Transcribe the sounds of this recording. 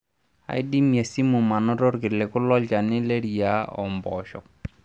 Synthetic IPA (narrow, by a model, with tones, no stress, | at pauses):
a̰˨i˦di˦mja˨si˦mʊ˨ma˨nɔ˦ɾɔ˦rkɪ˨lɛ˨kʊ˦lɔ˦ʎt͡ʃa˨nɪ˦le˦ɾi˨ja˦ɔ̰˨mbɔ̰˨ʃɔ̰˨k̚